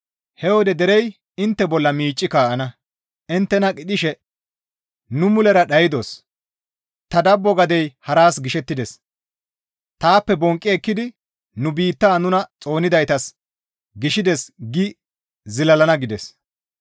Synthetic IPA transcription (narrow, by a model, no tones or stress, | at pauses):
hɛwɔd̪ɛd̪ɛɾɛj | ɪnt̪ːɛbɔlːɐmiːt͡ʃʼːɪkaːʔɐnɐ | ɪnt̪ːɛnɐkʼɪd̪ɪʃɛ | nʊmʊlɛɾɐɗɐjɪd̪o̞s | t̪ɐd̪ɐbːɔɡɐd̪ɛjhɐɾaːsɡɪʃɛt̪ːɪd̪ɛs | t̪aːpːɛbɔŋkʼːɪɛkːɪd̪ɪ | nʊbiːt̪ːaːnʊnɐt͡sʼo̞ːnɪd̪ɐjt̪ɐs | ɡɪʃɪd̪ɛsɡɪ | zɪlɐlɐnɐɡɪd̪ɛs